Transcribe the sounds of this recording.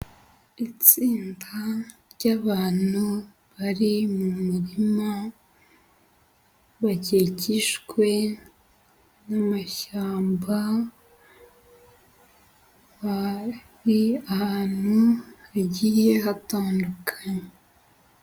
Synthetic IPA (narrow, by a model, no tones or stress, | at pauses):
it͡siːndaɾɟaβaːn̥u | βaɾimumuɾima | βaɟeciʃkwe̞ | namaʃaːmba | waɾiahaːn̥huhaɟiːje̞ɦataːndukʰḁɲe